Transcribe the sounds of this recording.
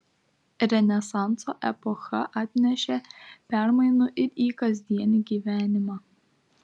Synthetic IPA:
ɾʲɛnʲɛsɑnt̪soːʔɛ̰pɔxɐʔɑːt̪ʲnʲɛʃʲɛpʲæɾmɐɪnuːʔɪɾiːkɐzʲd̪ʲiɛnʲiɡʲiːʋʲæːnʲɪmɑː

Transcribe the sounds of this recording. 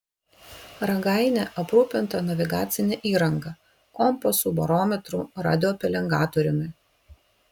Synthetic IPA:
ɾɐɡɑˑɪnʲɛʔɐpɾuːpʲɪnt̪ɐnɐʋʲɪɡaːt̪sʲɪnʲɛʔiːɾɐŋɡɐ | kɔmpɔsubɐɾoːmʲɛt̪ɾuɾɑ̰ːd̪ʲɪjoːpʲɛlʲɛŋɡɑːt̪ɔɾʲɪnʊɪ

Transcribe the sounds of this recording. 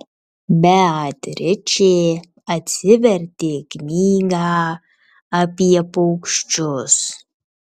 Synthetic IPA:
bʲɛatʲɾʲɪt͡ʃe | ɐtʲsʲɪʋʲɛɾʲtʲeːknʲiːɡa | ɐpʲiɛpowkʃt͡ʃʊs

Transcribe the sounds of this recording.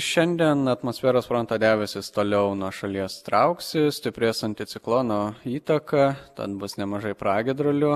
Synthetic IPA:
ʃʲɛnʲd̪ʲiɛnɐt̪moːsʲfʲæːɾoːsfɾont̪ɐːd̪ʲæːʋʲɛsʲɪst̪oːlʲɛʊnuɔʃɐlʲiɛst̪ɾɐʊksʲɪsʲt̪ʲɪpʲɾʲeːsɐnʲt̪ʲɪsʲɪklˠoːnoːiːt̪ɐkɐt̪ɐ̰t̪bʊsnʲɛmɐʒɐɪpɾɑːɡʲɪd̪ɾoːlʲʊ

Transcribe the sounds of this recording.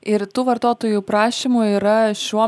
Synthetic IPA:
ɪɾt̪uːʋɐɾt̪oːt̪oːjuːpɾɑːʃʲiːmuiːɾɐʃʲuɔ

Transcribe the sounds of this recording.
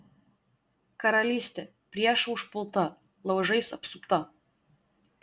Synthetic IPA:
kɐɾɐlʲiːsʲt̪ʲɛ | pʲɾʲiɛʃʊʃpʊlˠt̪ɐ | lˠɐʊʒɐɪsɐpsʊpt̪ɐ

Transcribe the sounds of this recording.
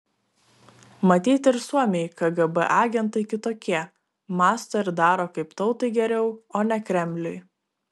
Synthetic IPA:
mɐt̪ʲiːt̪ʲɪɾsuɔmʲɛjkɐɡɐbɛ̰ʔɑːɡʲɛnt̪ɐɪkʲɪt̪oːkʲiɛ | mɑːst̪oːɪɾd̪ɑːɾoːkɐɪpt̪ɒʊt̪ɐɪɡʲɛɾʲɛʊoːnʲɛkɾʲɛmʲlʲʊɪ

